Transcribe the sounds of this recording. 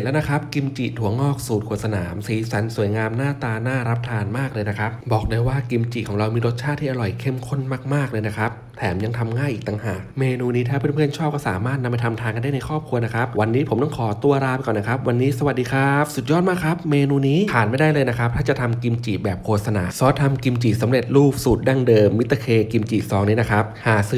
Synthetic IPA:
lɛ˦˥na˦˥kʰɾa˦˥p̚ki˧mt͡ɕiː˨˩t̪ʰu˩˦ɐŋɔː˥˩k̚suː˨˩t̪kʰu˨˩t̪sa˧naː˩˦msiː˩˦sa˩˦nsu˨˩˦jŋaː˧mnaː˥˩t̪aː˧naː˥˩ɾa˦˥p̚t̪ʰaː˧nmaː˥˩k̚lɤː˧jna˦˥kʰɾa˦˥p̚bɔː˨˩k̚dɤː˧jwaː˥˩ki˧mt͡ɕi˨˩kʰɔː˩˦ŋɾa˧wmiː˧ɾo˦˥t̪̚t͡ɕʰaː˥˩t̪ʰːiː˥ʔa˧ɾɔ˨˩jkʰe˥˩mkʰo˥˩nmaː˥˩k̚maː˥˩k̚lɤː˧jna˦˥kʰɾa˦˥p̚t̪ʰɛː˩˦mja˧ŋt̪ʰa˧mŋaː˥˩jʔiː˨˩k̚t̪a˧ŋhaː˨˩k̚meː˧nuː˧niː˦˥t̪ʰaː˥˩pʰɯ˥˩npʰɯ˥˩ənt͡ɕʰɔː˥˩p̚kɔː˥˩saː˩˦maː˥˩t̪̚na˧mːa˧t̪ʰmt̪ʰaː˧ŋka˧nda˥˩na˧jkʰɔː˥˩p̚kʰu˧ɐna˦˥kʰɾa˦˥p̚wa˧nːiː˦˥pʰo˩˦mt̪ɔ˥˩ŋkʰɔː˩˦t̪u˧ɐɾaː˧˥mkɔː˨˩na˦˥kʰa˦˥p̚wa˧nːiː˦˥sa˧wa˨˩t̪̚diː˧kʰa˦˥p̚su˨˩t̪̚jɔː˥˩t̪̚maː˥˩kʰɾa˦˥p̚meː˧nuː˧niː˦˥pʰaː˨˩nma˥˩jdaː˥˩jlɤː˧jna˦˥kʰa˦˥p̚t̪ʰaː˥˩t͡ɕa˨˩t̪ʰa˧mki˧mt͡ɕiː˨˩bɛː˨˩p̚kʰoː˧t̪̚sa˧na̰ː˨˦sɔː˨˦˥t̪ʰːa˧mki˧mt͡ɕiː˨˩sa˩˦mɾe˨˩t̪̚ɾuː˥˩p̚suː˨˩t̪̚da˥˩ŋdɤː˧mːi˦˥t̪ːa˧kʰeː˧ki˧mt͡ɕiː˨˩sɔː˩˦ŋniː˦˥na˦˥kʰɾa˦˥p̚haː˨˩sɯ˧˦

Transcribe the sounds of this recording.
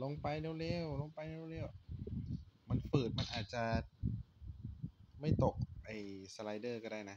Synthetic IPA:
lo˧ŋpa˧jneː˧˩wleː˧˩wlo˧ŋpa˧jle˧˥˩wlɛː˧˩w | ma˧nfɯː˨˩t̪̚ma˧nʔaː˨˩t̪̚t͡ɕa˨˩ | ma˥˩jt̪o˨˩k̚ʔa˧˩jsa˧la˧jdɤː˥˩kɔː˥˧˩daː˥˩jna˦˥

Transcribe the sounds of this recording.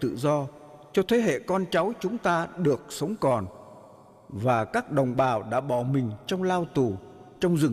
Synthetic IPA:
t̪ɨ̰˧˨zɔ˧t͡ɕɔ˧t̪ʰe˨˦ɦḛ˧˨kɔ˧nt͡ɕa˨˦wt͡ɕʊ˨˦ŋ͡mt̪aː˧ɗɨ˨˩ək̚sə˨˦wŋ͡mkɔ˨˩n | vaː˨˩kaː˦˥k̚ɗə˨˩wŋ͡mɓaː˨˩wɗa̰ː˧˥ɓɔ̰˧˩˨mï˨˩ŋ̟t͡ɕɔ˧wŋ͡mlaː˧wt̪u˨˩t͡ɕɔ˧wŋ͡mzɨ˨˩

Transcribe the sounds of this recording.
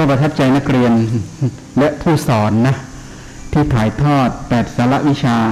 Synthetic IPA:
ɔː˥˩pɾa˧t̪ʰa˦˥p̚t͡ɕa˧jna˦˥k̚ɾi˧ən | lɛ˦˥ʔp̪ʰuː˥˩sɔː˩˦nːa˦˥ | t̪ʰiː˥˩t̪ʰaː˩˦jt̪ʰɔː˥˩t̪̚pɛː˨˩t̪̚saː˩˦la˦˥ʔwi˦˥t͡ɕʰaː˧

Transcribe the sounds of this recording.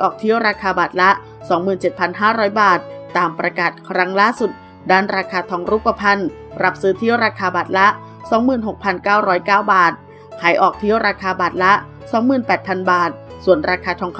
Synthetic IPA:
ʔɔː˨˩k̚t̪ʰi˦˥ə˨wɾaː˧kʰaː˧baː˨˩t̪̚la˦˥ʔ | sɔː˩˦ŋmɯː˨˩nt͡ɕe˨˩t̪̚pʰa˧nɦaː˥˩ɾɔː˦˥jbaː˨˩t̪̚ːaː˨˩mpɾa˧kaː˨˩t̪̚kʰɾa˦˥ŋlaː˥˨su˨˩t̪̚ | daː˥˩nɾaː˧kʰaː˧t̪ʰɔː˧˩˦ŋɾu˦˥pːa˧pʰa˧n | ɾa˦˥p̚sɯː˦˥t̪ʰi˦˥ə˨wɾaː˧kʰaː˧baː˨˩t̪̚la˦˥ʔ | sɔː˩˦ŋmɯː˨˩nɦo˨˩k̚pʰa˧nkaː˥˩wɾɔː˦˥jkaː˥˩wbaː˨˩t̪̚ | kʰaː˩˦jʔɔː˨˩k̚t̪ʰi˦˥əwɾaː˧kʰaː˧baː˨˩t̪̚la˦˥ʔ | sɔː˩˦ŋmɯː˨˩npɛː˨˩t̪̚pʰa˧nbaː˨˩t̪̚su˨˩ənɾaː˧kʰaː˧t̪ʰɔː˧˦ŋkʰ

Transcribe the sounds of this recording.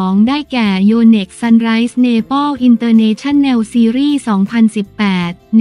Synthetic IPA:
ŋdaː˥˩jkɛː˨˩joː˧ne˨˩k̚sa˧nɾa˦˥jsneː˧bɔ˥˩wʔi˧nt̪ɤː˧neː˧˥t͡ɕʰa˥˩nːɛ˧wsiː˧ɾiː˥˩sɔː˩˦ŋpʰa˧nsi˨˩pːɛː˨˩t̪̚n

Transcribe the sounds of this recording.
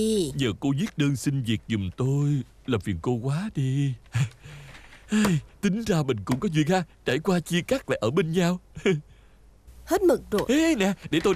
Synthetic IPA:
ɲəː˨˩ko˧zi˦˥t̚ɗəː˧nsï˧nvi˨˩ək̚zʊ˨˩ŋ͡mt̪o˧j | laː˨˩fḭ˨˩ənko˧kwaː˨˦ɗi˧ | ʔaː˧jt̪ï˨˦ŋ̟zaː˧mï˨˩ŋ̟kʊ̰˧˥ŋ͡mkɔ˨˦zwḭ˧˨nhaː˧t͡ɕaː˧˩jkwaː˧t͡ɕi˧əkaː˦˥k̚la̰ː˨jʔəː˧˩ɓe˧nɲaː˧w | he˦˥t̚mə˨˩k̚zo˨˩ʔnɛ˨˩ɗe˧˩t̪o˧

